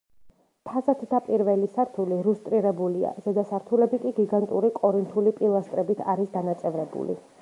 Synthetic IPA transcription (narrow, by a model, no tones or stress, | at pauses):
t̪ʰazat̪ʰd̪apʼiɾvɛlisaɾt̪ʰuliɾust̪ʼɾiɾɛbulia̰zɛd̪asaɾt̪ʰulɛbikʼiɡiɡant̪ʼuɾikʼɔɾint̪ʰulipʼilˠast̪ʼɾɛbit̪ʰaɾisd̪anat̪sʼɛvɾɛbṵlḭ